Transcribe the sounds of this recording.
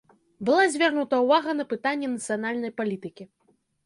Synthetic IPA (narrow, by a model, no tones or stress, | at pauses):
bɨlˠazʲvʲarnut̪ɐwvaɣɐnɐpɨt̪anʲːɛnɐt̪sɨjanalʲnɐjpalʲit̪ɨkʲi